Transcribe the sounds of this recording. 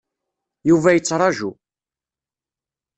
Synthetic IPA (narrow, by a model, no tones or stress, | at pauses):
juvæjət͡sːɾˤɑʒṵ